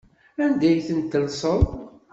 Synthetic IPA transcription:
ænd̪æjθənt̪ːəlsˤəðˤ

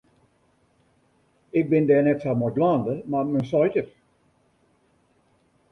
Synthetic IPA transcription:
ɪk̚bɪndɛːnɛtsamɔɡlɑːndəmamənsɔjtər

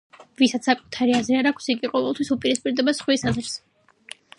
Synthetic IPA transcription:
visat̪ssakʼut̪ʰaɾiazɾiaɾakʰsiɡiqʼɔvɛlˠt̪ʰwisupʼiɾispʼiɾd̪ɛbasχwisazɾs

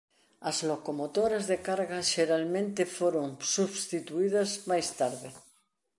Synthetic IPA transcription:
azlokomot̪oɾazðekaɾɣaʃeɾalmẽnt̪efoɾoŋsuβst̪it̪uið̞azmajst̪aɾðe

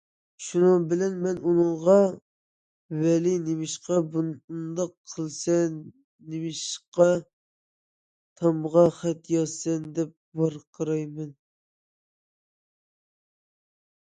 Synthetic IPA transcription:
ʃunɨŋbɪlɛnmɛnunɨŋʁɑ | wɛlinemɪʃqɑbund̪ɑqʰːəlˠsɛː | emɪʃqɑ | t̪ʰɑmʁɑχæt̪jɑsɛnd̪ɛp̚bɑɾqʰəɾɑjmɛn

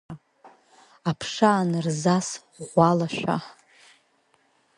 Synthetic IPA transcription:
apʰʂaːnɨrzas | ʁʷalaʃᶣʷa̰

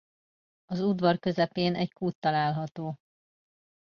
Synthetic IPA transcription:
ɒzud̪ʋɒrkø̞zɛpeːnɛckuːt̪ːɒlaːlɦɒt̪oː

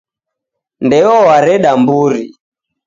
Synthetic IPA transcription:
ndɛɔwaɾɛɗambuɾi

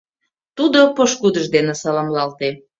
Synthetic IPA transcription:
t̪ud̪opoʃkud̪əʒd̪enesɑlɑmlɑlt̪e

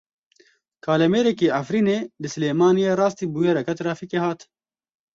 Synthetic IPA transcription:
kʰaːlɐmeːɾɛkeːʔafɾiːneːlɨsɨleːmaːnijeːɾɑːst̪iːbujeɾɐkɐt̪ɾaːfiːkeːhaːt̪

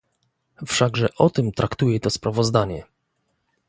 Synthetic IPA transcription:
fʂaɡʐɛʔɔt̪ɘmt̪ɾʔakt̪ujɛt̪ɔspɾavɔzd̪aɲɛ

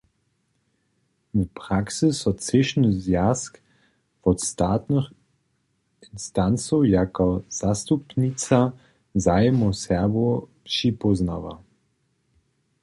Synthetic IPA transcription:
vpʁaksəsɔt͡sɪʃnəzjask | vɔt̪st̪aːt̪nəx | inst̪ant͡sojakɔz̥ast̪upnit͡sa | zajmɔsɛʁbɔpʃipɔznava

